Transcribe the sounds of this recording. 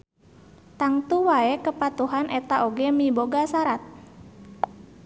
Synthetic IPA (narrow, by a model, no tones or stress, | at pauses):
t̪aŋt̪uwaɛkəpat̪uɦanʔɛt̪aʔoɡɛmiboɡasaɾat̪̚